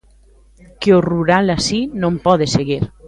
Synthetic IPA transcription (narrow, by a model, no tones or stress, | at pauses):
keoruɾalasinõmpɔðeseɣiɾ